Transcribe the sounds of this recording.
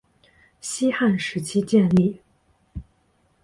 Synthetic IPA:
ɕi˥xa˥˩nʂɻ̩˧˥t͡ɕʰi˥t͡ɕjɛ˥˧nli˥˩

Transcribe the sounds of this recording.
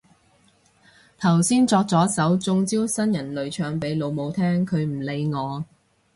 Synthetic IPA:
t̪ʰɐ˨˩wsiː˥nt͡sɔː˧k̚t͡sɔː˨˥sɐ˨˥wt͡sʊ˧ŋt͡siː˥wsɐ˥njɐ˨˩nlɵ˨˧ɥt͡ʃʰœː˨˧ŋpe˨˥jlo˨˧wmo˨˧wt̪ʰɛː˥ŋkʰɵ˨˧ɥm̩˨˩le˨˧jŋɔː˨˧

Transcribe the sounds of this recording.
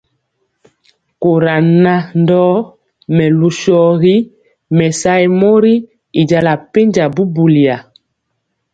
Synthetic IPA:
ko˨ɾa˨na˦ndɔː˦ | mɛ˨lu˨ʃɔ˨ɣi˦ | mɛ˨sa˦jmo˦ɾi˦ | i˨d͡ʒa˨la˨pe˦ɲd͡ʒa˨bu˦bu˨li˨a˨

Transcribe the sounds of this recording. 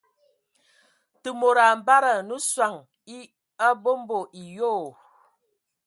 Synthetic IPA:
tɨ˨mo˨ɾa˨m̩˨ba˦ɾə˨nu˦swa˨ŋ | i˦ | a˦bo˦m˦bo˨ʔi˨joː˦˨

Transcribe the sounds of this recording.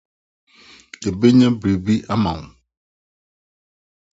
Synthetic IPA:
e˨be˦ɲã˦bɾi˨bi˦ʔa˦mã˨

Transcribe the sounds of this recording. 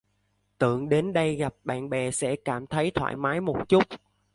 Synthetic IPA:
t̪ɨ̰˧˩˨əŋɗe˨˦nɗə˧jɣa˨˩p̚ɓa̰ː˧˨nɓɛ˨˩sɛ̰˧˥kaː˧˩mt̪ʰə˨˦jt̪ʰwa̰ː˧˨jmaː˨˦jmo˨˩t̚t͡ɕʊ˦˥k͡p̚

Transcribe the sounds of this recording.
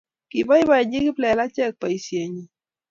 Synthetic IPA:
ki˨ba˦ɪ˦wa˦˨ɲi˦ɡi˦plɛ˨la˦t͡ʃɛ˦˨k̚pa˨i˨sje˨ɲi˨

